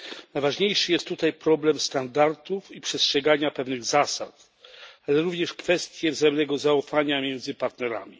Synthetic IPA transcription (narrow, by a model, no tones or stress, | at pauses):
najvaʐɲejʂɘjɛst̪ːut̪ajpɾɔblɛmst̪and̪aɾt̪ufipʂɛstʂɛɡaɲapɛvnɘɣzasa̰t̪ | alɛɾuvɲɛʂkfɛst̪ʲjɛvzajɛmnɛɡɔzaufaɲamʲjɛnd̪zɘpaɾt̪nɛɾa̰mʲḭ